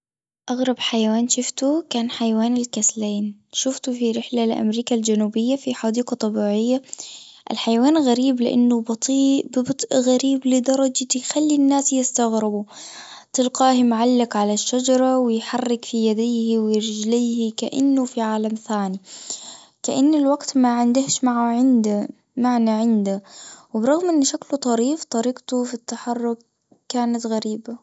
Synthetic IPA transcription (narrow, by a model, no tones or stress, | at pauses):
ʔaɣɾˤɑbħajawaːnʃʊft̪ukaːnħajawaːnɪlkasleːnʃʊft̪ufiɾɪħlalʔa̰mɾiːkald͡ʒanuːbɪjːafiħaːd̪iːqɑt̪ˤːɑbiːʕɪjːa | ʔɪ̰lħajawaːnɣaɾiːblɪ̰ʔa̰nːʊbt̪ˤiːʔbbɨt̪ˤʔɣaɾiːblɪd̪ɑɾˤɑd͡ʒt̪jxalːinːaːsjɪst̪aɣɾɪbut̪ɪlqɑːhɪmʕalːɪkʕalaʃːad͡ʒɑɾˤɑwɪjħarˤːɪkfijad̪iːhiwɪjɪɾd͡ʒliːhika̰ʔa̰nːʊfiʕaːlamθaːni | kaʔanːɪlwaɡt̪maʕɪnd̪ɪhʃmaʕaʕɪnd̪a | maʕnaʕɪnd̪awɪbɾˤɑɣmʔɪnːʃaklut̪ˤɑɾiːft̪ˤɑɾiːqt̪ufit̪ːaħɑrˤːʊk̚ː | aːnat̪ɣaɾiːba